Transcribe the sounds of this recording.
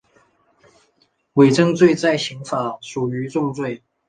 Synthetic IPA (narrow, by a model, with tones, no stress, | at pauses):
we˨˩ɪʈ͡ʂɤ˥ŋt͡swe˥˧ɪt͡sa˥˩ɪɕi˧˥ŋfa˨˩˦ʂu˨˩y˧˥˦ʈ͡ʂʊ˥˧ŋt͡swe˥˩ɪ